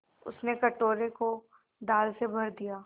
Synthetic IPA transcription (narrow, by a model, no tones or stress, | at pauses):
ʊ̰snekɐʈoːɾeko | ɖaːlsebʱɐɾd̪ijaː